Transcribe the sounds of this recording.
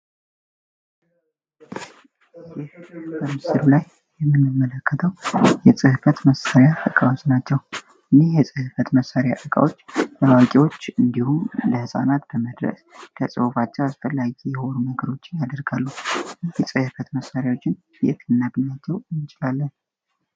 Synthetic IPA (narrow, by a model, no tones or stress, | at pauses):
jɪhb̥əmɨsɨɾulaj | jɛmːɨnːɨmːələkʰːət̪ʰəwjɛsʼɨhɨfət̪məsaɾjaʔɨkʼawt͡ʃnat͡ʃːɛw | ɨnːehjɛsʼɨhɨfət̪məsːaɾjaʔɨkʼa̰wo̞t͡ʃːləwakʼiwo̞t͡ʃːɨnd̪ihuləhɨsʼa̰nat̪b̥əməd̪ɾə̰skʰəsʼɨwufat͡ʃːɛwasfəlːaɡijɛhonunəɡəɾo̞t͡ʃːɪnjad̪əɾɡalːujɛsʼɨhɨfət̪məsːaɾjawot͡ʃːɪn | bɛ̰t̪ɨnːaɡnːat͡ʃːɛwɨnt͡ʃʼɪlalːən